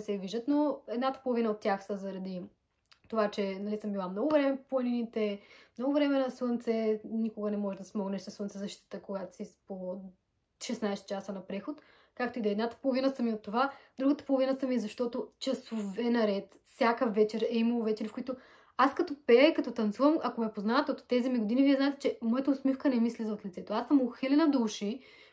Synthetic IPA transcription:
sɛviʒd̪ət̪noɛd̪nat̪ə̥polˠovinəot̪ːjaxsəzɐɾɐd̪i | t̪ovat͡ʃɛnɐlisəmbilˠamnɔɡʊvɾɛmɛpˠəninit̪ɛmnɔɡʊvɾɛmɛnɐswənt̪sɛnikʊɡənɛmɔʒɛd̪ɐsmɔɡnɛʃsnɐswəntsɛzɐʃtit̪iət̪əkoɡat̪sispo | ʃɛsnajst̪t͡ʃasənɐpɾɛxot̪ | kak̚t̪oid̪oɛd̪nat̪ə̥polˠovinəsɐmiot̪ːovad̪ɾuɡət̪ə̥polˠovinəsəmiɛzɐʃt̪ɔt̪ot͡ʃɐsovɛnɐɾɛt̪fsʲjakəfvɛt͡ʃɛɾɛiməlˠovɛt͡ʃɛɾifkʊit̪ʊ | askɐt̪opɛikɐt̪ɔt̪ɐnt̪suvɐmɐkomɛpoznavɐt̪ɛot̪ːɛzimiɡod̪iniviɛznaɛt̪ɛ̥t͡ʃɛmɔjɛt̪ɐosmifkənɛmislizɐot̪lʲit̪sɛt̪oasəmoxilʲɛnɐd̪uʃi

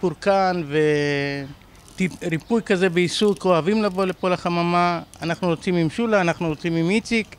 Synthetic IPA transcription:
puɾkanve̞ | tiɾipujkaze̞beisukoavimlavo̞le̞polaχamamaanaχnujot͡simimʃulaːnaχnujot͡simimit͡sik

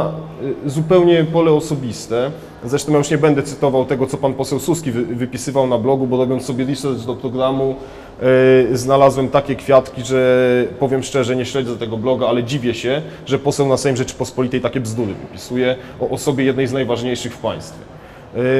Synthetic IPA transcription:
zupɛwɲɛpɔlɛɔsɔbʲist̪ɛ | zɾɛʂt̪ɔ̃mjajuʂɲɛbɛnd̪ɛt̪sɘt̪ɔvawt̪ɛɡɔt̪sɔpanpɔsɛwsuskʲivvɘpʲisɘvawnablɔɡubɔɾɔbʲjɔnsɔbʲjɛɾʲisɛɾd̪d̪ɔpɾɔɡɾamu | znalazwɛmt̪akʲɛkfʲjat̪kʲiʐɛpɔvʲjɛmʂt͡ʂɛʐɛɲɛɕlɛɛt̪ɛɡɔblɔɡaalɛd͡ʑivʲjɛɕɛ | ʐɛpɔsɛwnasfajimʐɛt͡ʂɘ̥pɔspɔlʲit̪ɛjt̪akʲɛvzd̪uɾɘvɘ̰pʲisujɛ | ɔʔɔsɔbʲjɛjɛd̪nɛjznajvaʐɲejʂɘxfpa̰j̃st̪fʲjɛ

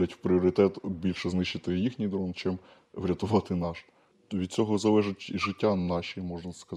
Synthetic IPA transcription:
ɐtʲwpɾʲiɔɾɪt̪ɛt̪bʲilʲʃɛznɪʃt͡ʃɪt̪ɪjixnʲijd̪ɾɔnt͡ʃɛm | ʋɾʲɐt̪ʊʋɑt̪ɪnɑʃ | ʋʲid̪̚t͡sʲɔɦɔzɐlɛʒʊtʲʒɪtʲːanɑʃʲimɔʒnɐskɐ

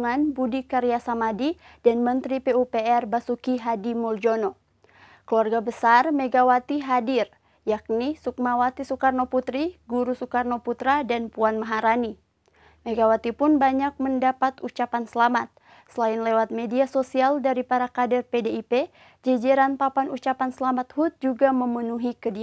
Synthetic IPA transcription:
ŋanbudikaɾiasamadidanmənt̪ɾipeupeɛrbasukiɦadimuld͡ʒonɔ | kəluarɡabəsarmɛɡawat̪iɦadir | jak̚nisuk̚mawat̪isukarnoput̪ɾiɡuɾusukarnɔput̪ɾadanpuanmaɦaɾani | mɛɡawat̪ipʊnbaɲak̚məndapat̪ut͡ʃapansəlamat̪̚ | səlainlewat̪̚mediasosialdaɾipaɾakadɛrpedeipe | d͡ʒɛd͡ʒɛɾanpapanut͡ʃapansəlamat̪hut̪̚d͡ʒuɡaməmənuɦikədia

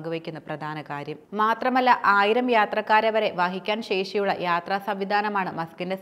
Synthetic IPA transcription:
ɡuʋekʲːunːɐprɐd̪ʱaːnɐkaːɾjɐmmmaːt̪rɐmɐlːɐʔaːjiɾɐmjaːt̪rɐkːaːɾɐʋɐɾe̞ʋaːɦikʲːaːnɕeːʂijuɭːɐ̰jaːt̪raːsɐmʋid̪ʱaːnɐmaːɳɨmɐskinde̞s

